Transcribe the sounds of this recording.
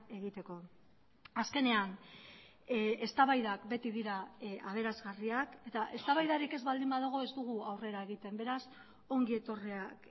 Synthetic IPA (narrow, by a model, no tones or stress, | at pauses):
e̞ɣ̞it̪e̞ko̞ | aske̞ne̞an | e̞st̪aβajðakbe̞t̪iðiɾaaβ̞e̞ɾazɣariake̞t̪aʔe̞st̪aβajðaɾike̞zβald̪imbaðoɣ̞o̞e̞zd̪uɣ̞uawre̞ɾae̞ɣit̪e̞mbe̞ɾas | o̞ŋɡie̞t̪o̞riak